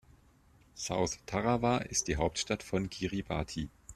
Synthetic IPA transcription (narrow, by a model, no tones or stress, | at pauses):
z̥a̰ʊθtʰaʁavaʔɪst̚d̥iːɦaʊp̚tʃtatfɔnɡ̥iʁiba̰ːtʰiː